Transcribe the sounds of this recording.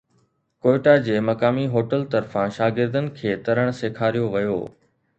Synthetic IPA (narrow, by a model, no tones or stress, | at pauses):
koːɪʈad͡ʑeːmɐkaːmiɦoːʈəlt̪ɐɾfãʃaːɡɪɾd̪ənɪ̆kʰeːt̪ɐɾəɽ̃seːkʰaːɾijoʋɐjo̰ː